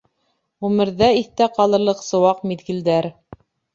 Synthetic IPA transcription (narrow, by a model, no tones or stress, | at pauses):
ʁʉmɘ̆ɾðæiθt̪æqɑlˠɤ̆ɾlˠɤqsɤ̆wɑq̚miðɡɘ̆ld̪æɾ